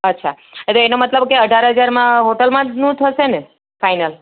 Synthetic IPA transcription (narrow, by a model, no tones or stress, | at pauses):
ətːʃʰa | t̪oenomət̪ləbkeəɖʱaɾɦəd͡ʒaɾmãɦoʈəlmãnũt̪ʰəʃene | fajnəl